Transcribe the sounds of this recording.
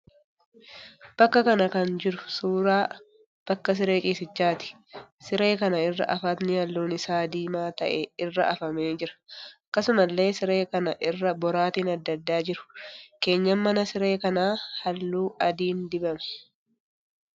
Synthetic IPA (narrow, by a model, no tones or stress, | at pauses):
b̥ɐkːɐkɐnɐkɐnd͡ʒɪɾʊ̥suːɾaː | b̥ɐkːɐs̬ɪɾe̞ːt͡ʃʼiːsɪt͡ʃːaːt̪ɪ̥ | sɪɾeːkɐnɐɪrːɐ̰ʔɐfɐt̪nɪhɐlːuːnɪsaːd̪iːmaːt̪ɐʔeɪrːɐʔɐfɐmeːd͡ʒɪɾɐ̥ɐkːɐsʊmɐlːe̞ːsɪɾe̞ːkɐnɐʔɪrːɐbɔɾaːt̪iːnɐd̪ːɐd̪ːaːd͡ʒɪɾʊ̥ke̞ːɲːɐmːɐnɐsɪɾe̞ːkɐnaːhɐlːuːʔɐd̪iːnd̪ɪbɐmɛ̥